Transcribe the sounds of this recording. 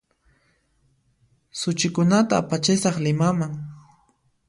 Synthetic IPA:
sʊt͡ʃɪkʊnat̪aːpat͡ʃɪsɑχlɪmamaŋ

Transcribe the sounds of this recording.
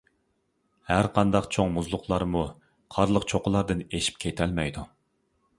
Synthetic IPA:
hæɾqʰɑnd̪ɑqt͡ʃʰoŋmuzlˠʊqʰlˠɑɾmu | qʰɑɾlˠəqt͡ʃʰoqəlˠɑɾd̪ɨneʃi̥p̚kʲʰet̪ʰɛlmɛjd̪u

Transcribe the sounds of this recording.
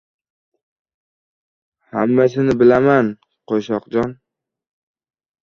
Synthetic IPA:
hamːasɪnɪbɪlaman | qʰoʃɒqd͡ʒɒn

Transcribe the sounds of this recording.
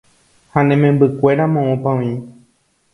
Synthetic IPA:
hanẽmẽmbɨkʷe̞ɾamõõpãĩ

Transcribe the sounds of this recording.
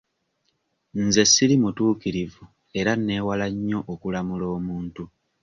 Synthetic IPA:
n̩ze̞sːiɾimutuːkiɾivu | e̞ɾanːe̞ːwalaɲːo̞ʔokulamulo̞ːmuːntu

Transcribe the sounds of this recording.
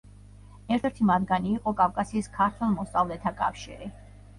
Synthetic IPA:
ɛɾt̪ʰɛɾt̪ʰimad̪ɡaniːqʼɔkʼafkʼasiːskʰaɾt̪ʰwɛlˠmɔst̪sʼavlɛt̪ʰakʼa̰fʃḭɾi

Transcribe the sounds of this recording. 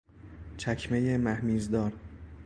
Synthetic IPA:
t͡ʃʰækʰme̞jemæhmiːzd̪ɒːɾ

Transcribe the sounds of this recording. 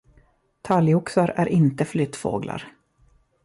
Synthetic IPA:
t̪ʰaljʊksaɾæɾʔɪnt̪əflʏt̪ːfo̰ːɡla̰ɾ

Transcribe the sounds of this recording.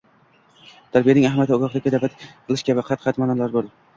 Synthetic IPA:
t̪ʰaɾbijanɪŋahmijat̪ʰɪɒɡɒχd̪akʲad̪avat̪ʰɨlˠɪʃkʲabɪqʰɑt̪qɑt̪manɒlaɾbolɪ

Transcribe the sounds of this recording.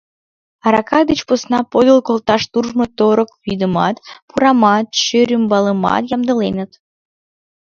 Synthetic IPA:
ɑɾɑkɑd̪ət͡ɕposnɑpod̪əlkolt̪ɑʃt̪urʒmot̪oɾəkβid̪əmɑ̰t̪puɾɑmɑt̪ʃøɾʲymbɑləmɑ̰t̪jɑmd̪əlenət̪

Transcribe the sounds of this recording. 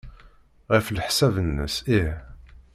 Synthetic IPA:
ʁəflħsævənːə̰sih

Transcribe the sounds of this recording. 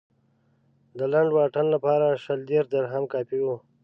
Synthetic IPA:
d̪əlaɳɖwɑʈanlapɑɾaʃəld̪eɾʂd̪aɾɦamkɑpiwu

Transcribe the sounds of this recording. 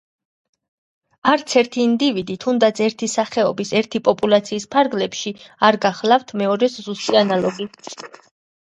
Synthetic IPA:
aɾt̪sʰɛɾt̪ʰiːnd̪ivid̪it̪ʰund̪at̪sʰɛɾt̪ʰisaχɛɔbisɛɾt̪ʰipʼɔpʼulˠat̪sʰiːspʰaɾɡlɛpʃiaɾɡaχlˠaft̪ʰmɛɔɾɛszust̪ʼianalˠɔɡi

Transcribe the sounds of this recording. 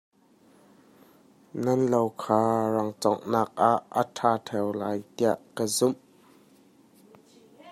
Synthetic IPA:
nɐnlowkʰaːrɐŋt͡sɔ̰ŋnaːk̚ʔaʔːətʰaːt̪ʰɛwlaːjt̪iɐʔkəzum

